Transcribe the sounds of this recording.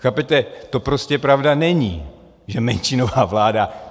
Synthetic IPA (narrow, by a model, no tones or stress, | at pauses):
xaːpɛt̪ɛt̪o̞pɾo̞scɛpɾavdanɛɲiː | ʒɛmɛnt͡ʃɪnovaːvlaːda